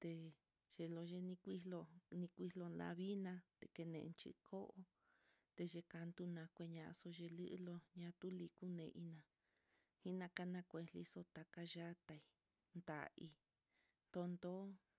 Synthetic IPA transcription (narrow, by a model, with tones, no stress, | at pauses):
t̪e˧ | ʒ̥e˧lo˧ʒe˧nĩ˧kʷi˦lo˧nĩ˧kʷi˧lo˧nã̰˧βi˦nã˧t̪e˧ke˧nḛ̃˨ʔnt͡ʃḭ˧kʰo˦ʔo˧ | t̪e˧ʒe˧ka˧nd̪u˧nã˧kʷe˧ɲã˧ʔso˧ʒe˧lɨ˦ʔlo˧ɲã˧˦t̪u˦li˧ku˦nẽ˧ʔi˧˦nã˧ | hi˦nã˧ka˧nã˧kʷe˧li˧so˧t̪a˧ka˧ʒa˦t̪a˧i˧ | nd̪a̰˨i˧ | nd̪o˧nd̪o˦